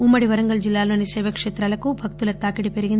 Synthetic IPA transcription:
umːɐɽiʋɐɾɐŋɡɐld͡ʒilːaːlo̞ːnisɛːʋɐkʂeːt̪ɾaːlɐkubʱɐk̚t̪ulɐt̪aːkiɽipeɾiɡind̪

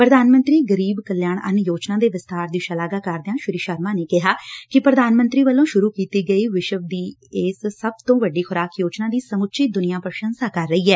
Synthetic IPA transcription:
pɾəd̪aːnmə̃nt̪ɾiːɡəɾiːbkəljaːɳə̰njoːt͡ʃnãːd̪eːʋɪst̪aːɾd̪iːʃəlaːɡaːkəɾd̪ɪjãːʃʊɾiːʃəɾmaːneːkɪɦaːkɪpɾəd̪aːnmə̃nt̪ɾiːʋəlːõːʃʊɾuːkiːt̪iːɡəiːʋɪʃəʋd̪iːɪːssəb̚t̪õːʋəɖːiːxʊɾaːkjoːt͡ʃnãːd̪iːsəmʊtːʃʰiːd̪ʊnɪjãːpɾəʃənsaːkəɾːəiːɛː

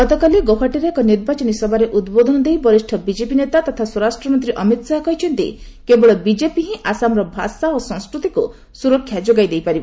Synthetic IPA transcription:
ɡɔt̪ɔkaliɡopʰaʈiɾeekɔniɾbat͡ʃɔnisɔbʱaɾeʔud̪bod̪ʱɔnɔd̪ejbɔɾisʈʰɔbid͡ʒepinet̪at̪ɔt̪ʰaswɔɾasʈɾɔmɔnt̪ɾiʔɔmit̪saɦɔkɔɦit͡ʃʰɔnt̪ḭ | kebɔɭɔbid͡ʒepiɦĩʔasamɾɔbʱasaosɔ̃ŋskɾut̪iku | suɾɔkʰjad͡ʒoɡajd̪ejpaɾibɔ

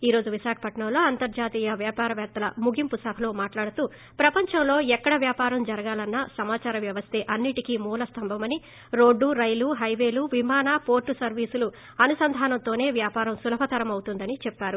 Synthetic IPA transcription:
iːɾo̞ːd͡ʒuʋiʃaːkʰɐ̥pɐʈɳɐmlo̞ːɐnt̪ɐɾd͡ʒaːt̪iːjɐʋjaːpaːɾɐʋɛːt̪ːɐlɐ̰muɡimpusɐbʱɐloːmaːʈlaːɽut̪uː | pɾɐpɐɲt͡ʃɐmlo̞ːɛkːɐɽɐʋjaːpaːɾɐmd͡ʒɐɾɐɡaːlɐnːɐsɐmaːt͡ʃaːɾɐmʋjɐʋɐst̪ʰe̞ːʔɐnːiʈikimuːlɐst̪ɐmbʱɐmɐni | ɾo̞ːɖːuɾɐjluɦɐjʋe̞ːluʋimaːnaːpo̞ːɾʈːusɐɾʋiːsulu | ɐnusɐnd̪ʱaːnɐnt̪o̞ːne̞ːʋjaːpaːɾɐmsulɐbʱɐt̪ɐɾɐmɐwut̪und̪ɐnit͡ʃɛpːaːɾu

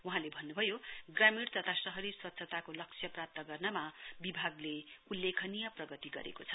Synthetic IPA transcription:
uɦãlebʱʌnːubʱʌjoɡramiɽt̪ʌt̪ʰasʌɦʌɾiswʌt̪ːsʰʌt̪akolʌk̚t͡sʰjʌprap̚t̪ʌɡʌrnʌmabibʱaɡleulːekʰʌnijʌprʌɡʌt̪iɡʌ̰ɾḛkot͡sʰʌ̥

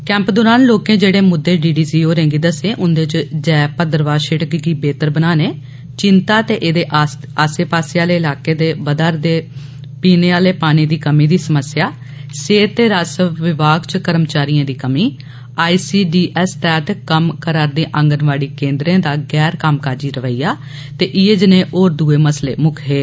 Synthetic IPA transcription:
kɛ̃ːmpd̪ʊːɾaːnloːkẽːd͡ʒeːɽeːmʊd̪ːeːɖiːɖiːsiːoːɾɛ̃ːŋɡiːd̪əseːʔʊnd̪eːt͡ʃd͡ʒɛːpəd̪əɾʋaːʃɪʈkɡiːbeːt̪əɾbənaːneː | t͡ʃɪnt̪aːt̪eːʔeːd̪eːʔ | aːseːpaːsɪjaːleːɪlaːkeːd̪eːʋəd̪aːɾd̪eː | piːneːaːleːpaːɽ̃iːd̪iːkəmiːd̪iːsəməsɪjaː | seːt̪ːeːɾaːsəʋɪʋaːɡt͡ʃkəɾəmt͡ʃaːɾijãːd̪iːkəmiː | aːiːsiːɖiːʔɛːst̪ɛːt̪ːkəmkəɾaːɾd̪ẽːʔə̃ŋɡənʋaːɽiːkẽːnd̪ɾẽːd̪aːɡɛːɾkəmkaːd͡ʒiːɾəʋəːiːaː | t̪eːʔieːd͡ʒnẽːʔoːɾd̪uːeːməslḛːmʊkʰeː

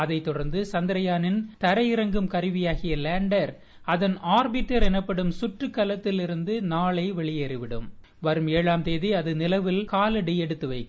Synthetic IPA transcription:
ɐðɐɪt̪ːɔɽɐɾnd̪ɯsɐnd̪ɪɾɐjaːnɪnt̪ɐɾɐjɪɾɐŋɡɯmkɐɾɯʋɪjaːɣɪjɐleːɳɖɐɾ | ɐðɐnaːɾbɪʈːɐɾɛnɐpːɐɽɯmsʊʈrɯkːɐlɐt̪ːɪlɪɾɯnd̪ɯnaːɭɐɪʋɛɭɪjeːɾɪʋɪɽɯ̰m | ʋɐɾɯmeːɻaːmt̪eːðiɐðɯnɪlɐʋɪlkaːlɐɽiɛɽɯt̪ːɯʋɐɪkː

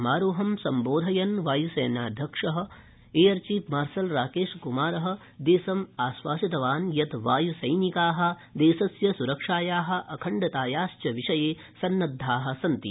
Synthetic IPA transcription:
maːɾoːɦɐmsɐmboːd̪ʱɐjɐnʋaːjusɐjnaːd̪ʱjɐkʂɐɦɐ̆ | eːɐɾt͡ʃiːpmaːɾsɐlɾaːkeːʂkumaːɾɐɦɐ̆ | d̪eːsɐmaːsʋaːʃɐt̪ɐʋaːnjɐt̪ʋaːjusɐjnikaːɦɐ̆ | d̪eːsɐsjɐsuɾɐkʂaːjaːɦɐ̆ʔɐkʰɐɳɖɐt̪aːjaːʃt͡ʃɐʋiʂɐjeː | sɐnːɐd̪ʱːaːɦɐ̆sɐnt̪ḭ

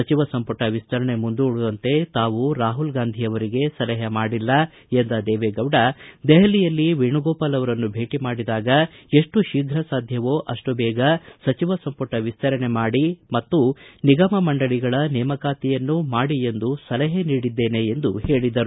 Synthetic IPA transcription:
ɐt͡ʃiʋɐsɐmpɐʈɐʋist̪ɐɾɐɳe̞mund̪uːɭud̪ɐnt̪e̞t̪aːʋuɾaːɦulɡaːnd̪ʱijɐʋɐɾiɡe̞sɐlɛɦɐmaːɽilːɐ | end̪ɐd̪ɛːʋeɡɐʋɽɐd̪ɛɦɐlijɐlːiʋiɳuɡɔːpɐlɐʋɐɾɐnːubʱe̞ːʈimaːɽid̪aːɡɐe̞ʂʈuʃiːɡʱɾɐsaːd̪ʱjɐʋoːʔɐʂʈubɛːɡɐsɐt͡ʃiʋɐsɐmpɐʈɐʋist̪ɐɾɐɳe̞maːɽimɐt̪ːuniɡɐmɐmɐɳɖɐɭiɡɐɭɐnɛːmɐkaːt̪ijɐnːumaːɽie̞nd̪usɐlɐɦeniːɽid̪ːeːne̞end̪uhe̞ːɭid̪ɐɾu

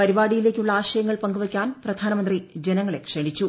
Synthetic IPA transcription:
pɐɾiʋaːɽijile̞ːkʲːuɭːɐaːɕɐjɐŋːɐɭpɐŋɡuʋɐkʲːaːnprɐd̪ʱaːnɐmɐnd̪rid͡ʑenɐŋːɐɭe̞kʂeɳit͡ɕːu

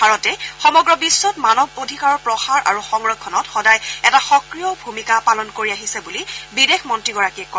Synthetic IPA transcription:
bʱaɹɔtɛxɔmɔɡɹɔbisːɔtmanɔbodʱikaɹɔɹpɹɔxaɹʔa̰ɹuxɔŋɹɔkʰːɔnɔtxɔdajɛtaxɔkɹijɔbʱumikapalɔnkoɹiaɦisɛbulibidexmɔntɹiɡɔɹakiɛkɔ

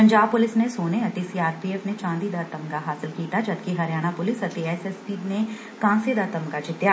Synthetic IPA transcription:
pɐ̃ɲd͡ʒaːb̚pʊlɪsnesoːneɐʈ̪isiaːɾpieːfnet͡ʃãːnd̪id̪ɐɾt̪əmkaɦaːsɪlkiːt̪ad͡ʒɐd̪kiɦɐɾjaːñapʊlɪsɐt̪iɛːsɛspine | kãːnsed̪ɐɾt̪əmkad͡ʒɪt̪ja

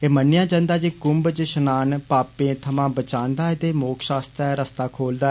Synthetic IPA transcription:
eːmənːɪjãːd͡ʒə̃ːnd̪aːd͡ʒiːkʊmbt͡ʃʃənaːnpaːpẽːt̪ʰəmãːbət͡ʃãːnd̪aːt̪eːmoːkʃaːst̪ɾɛːɾəst̪aːkʰoːld̪aː

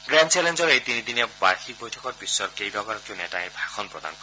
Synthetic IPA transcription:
ɡɾant͡ʃelend͡ʒɔɾejt̪inid̪inebaɾxʰik̚bojtʰɔkɔɾpisːɔɾkejbɔɡaɾɔkonɛtaẽbʱakʰɔnpɾɔd̪a̰nk

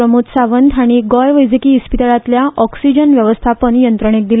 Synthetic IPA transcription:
ɾəmut̪saʋənd̪ʱaɽ̃iɡɔjʋəjd͡zikiːspit̪aɭat̪ljaʔɔksid͡ʑənʋjəʋəst̪ʰapəɳjənt̪ɾəɳ̃ek̚d̪il

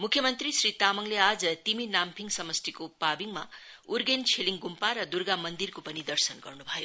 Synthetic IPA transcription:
mukʰjʌmʌnt̪risrit̪amʌŋlead͡zʌt̪iminampʰiŋsʌmʌst̪ikopabiŋma | urɡent͡sʰeliŋɡumpaɾʌd̪urɡamʌnd̪irkopʌnid̪ʌrsʌnɡʌ̰rnubʱʌjo

